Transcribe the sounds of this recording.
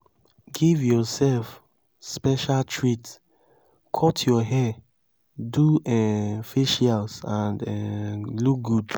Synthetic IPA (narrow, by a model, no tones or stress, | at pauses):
ɡivjɔsɛlf | spɛʃaltʰɹit | kʰɔtʰjɔɦɛ | duɛfiʃalsãndɛluk̚ɡud